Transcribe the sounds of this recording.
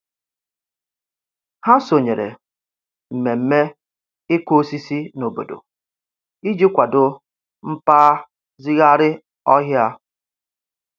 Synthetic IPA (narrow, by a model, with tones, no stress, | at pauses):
ha˦so˨ɲe˨ɾḛ˨ | m̩˨me˨m̩˦me˦ | ɪ˦kʷo˦si˦si˦no˨bo̰˨do̰˨ | i˦d͡ʒi˦kʷa˨dʊ˦ | m̩˦paː˦ | zi˦ɣa˦ɾɪ˦ | ɔ˦ɦja˦